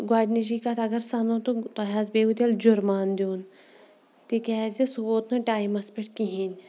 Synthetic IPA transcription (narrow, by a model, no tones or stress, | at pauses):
ɡwaːɖnid͡ʒikat̪ʰɐɡɐɾsanot̪ut̪oɦaːzbeːut̪eld͡ʒuɾmaːnd̪uːn | t̪ikezesuboːt̪noʈaːjimɐspeʈkiɦinʲ